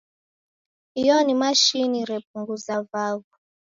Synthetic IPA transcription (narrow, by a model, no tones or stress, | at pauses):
ijɔnimaʃiniɾɛp̚uŋɡuzavavu